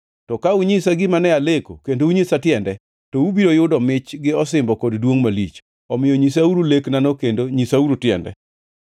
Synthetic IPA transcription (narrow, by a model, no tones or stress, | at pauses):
tɔkauɲɪsaɡɪmanɛaleko̰kendouɲesatjɛndɛ | tɔubiɾojʊdɔmɪt͡ʃɡɪɔs̬ɪmbɔkɔddwoŋmalit͡ʃ | ɔmɪjɔɲis̬auɾuleknanokendoɲisauɾotjɛ̰ndɛ̰